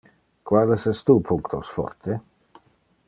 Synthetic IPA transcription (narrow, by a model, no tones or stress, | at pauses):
kwad̪esɛst̪upʰuŋkt̪osfɔ̰ɾt̪ʰe